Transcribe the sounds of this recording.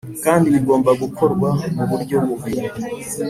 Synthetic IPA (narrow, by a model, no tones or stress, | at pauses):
kaːndiβiɡo̞ːmbaɡukʰo̞ɾɡwamuβuɾɟo̞βuβiɾu